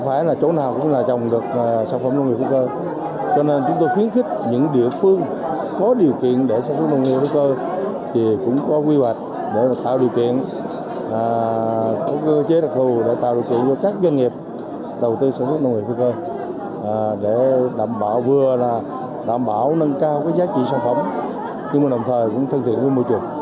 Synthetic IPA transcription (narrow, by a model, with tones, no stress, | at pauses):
ŋ͡mfaː˧˩˦jlaː˨˩t͡ɕo˨˦naː˨˩wkʊ̰˧˥ŋ͡mlaː˨˩t͡ɕɔ˨˩wŋ͡mɗɨ˨˩ək̚saː˧˩nfə˧˩mnə˧wŋ̚˨˩fʰwkəː˧ | t͡ɕɔ˧ne˧nt͡ɕʊ˨˦ŋ͡mt̪o˧jxwi˨˦ənxï˦˥k̟̚ɲɨ̰˧˥ŋɗḭ˧˨əfɨ˧əŋ | kɔ˨˦ɗi˨˩əwkḭ˧˨ənɗe˧˩saː˧˥nsə˦˥t̚nə˧wŋ͡mŋi˧˨˩fu˧kəː˧ | t̪ʰi˨˩kʊ̰˧˥ŋ͡mkɔ˨˦kwi˧hwa˨˩jk̟̚ | ɗe˧˩a˨˩t̪aː˧˨wɗi˨˩əwkḭ˧˨ənː˨˩ | kɔ˨˧˦kə˧t͡ɕe˨˦ɗa˨˩p̚t̪ʰu˨˩ɗe˧˩t̪a̰ː˧˨wɗḭ˨˩wkḭ˧˨ənzɔ˧˩kaː˦˥k̚zwa˧nŋi˨˩əp̚ | ɗə˨˩wt̪ɨ˧saː˧˩nswə˦˥nə˧wŋ͡mŋḭ˨˧˨fi˧kəː˧˨˩ | ɗe˧˩ɗaː˧˨mɓaː˧˨wvɨ˨˩əlaː˨˩ | ɗa̰ː˧˨mɓaː˧˩wnə˧nkaː˧wkaː˨˦jzaː˨˦t͡ɕḭ˧˨saː˧˩nfə˧˩wŋ͡m | ɲɨ˧ŋma˨˩ɗə˨˩wŋ͡mt̪ʰəː˨˩jkʊ̰˧˥ŋ͡mt̪ʰə˧nt̪ʰḭ˧˨ənvə˧˦jmo˧˩jt͡ɕu˨˩əŋ